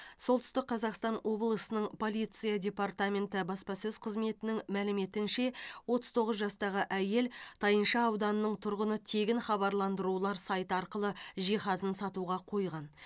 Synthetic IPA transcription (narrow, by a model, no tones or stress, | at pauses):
so̞lˠt̪ʏ̥st̪ɪq̚qʰːɑzɑqst̪ɑnwʔo̞blˠəsənəɴpʰo̞lˠijt̪sɨjadʲe̞part̪amʲe̞nt̪ɪbɑspɑsɵzqʰəzme̞t̪ɪnɪŋmælɪme̞t̪ɪnʃe̞wo̞t̪əzt̪ʰo̞ʁəzʒɑst̪ɑʁəʔæje̞lt̪ʰɑjənʃɑːwd̪ɑnəːəɴt̪ʰʊɾʁənət̪ʰe̞ɡʲɪnχɑβɑɾlˠɑnd̪əɾulˠɑɾsɑjt̪ɑɾqəlˠəʒiχɑzənsɑt̪uʁɑqʰo̞jʁɑn